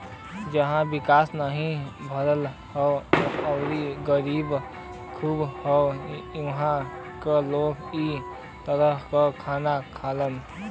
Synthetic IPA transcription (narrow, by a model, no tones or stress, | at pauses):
d͡ʒəɦãbikaːsnaɦĩbʱəɾəl | hɔəɾiɡəɾib | kʰubhɔuɦã | kəloki | t̪əɾəɦkəkʰanakʰalən